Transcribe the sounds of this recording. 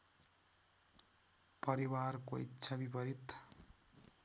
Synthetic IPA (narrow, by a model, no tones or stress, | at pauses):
pʌɾiwarkoḭtːsʰabipʌɾit̪